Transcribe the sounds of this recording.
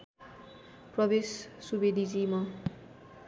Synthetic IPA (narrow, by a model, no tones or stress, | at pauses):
prʌbessubed̪ʱid͡zimʌ